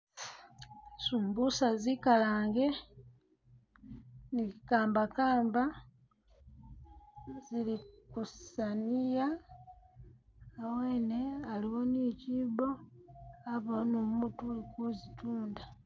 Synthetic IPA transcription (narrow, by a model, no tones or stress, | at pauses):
suːmbusazikalaːŋɡe | nikaːmbakaːmba | zilikussanija | weːnealiwonicibo | aβonommutulikuzituːnda